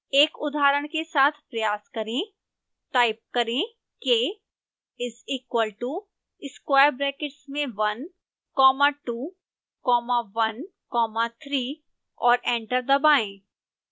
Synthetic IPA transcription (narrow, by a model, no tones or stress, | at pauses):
eːkʊd̪ʱaːɾəɽ̃kesaːt̪ʰpɾɐjaːskɐɾẽ | ʈaːɪp̚kɐɾẽ | ke | ɪsiːkwəlʈu | ɪskwaːjəɾbɾɛːkɪʈsmẽʋɐn | kɔːmaʈuː | kɔːmaʋɐn | kɔːmat̪ʰɾiː | ɔːɾẽːɳʈəɾd̪ɐbaːẽː